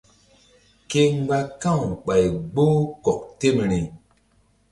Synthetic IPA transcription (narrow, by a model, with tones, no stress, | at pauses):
ke˦ŋ˦ɡ͡ba˦kã˦˨ŋ˨ɓa˨jɡ͡bo˦kɔ˨k̚te˦˨m˨ɾi˨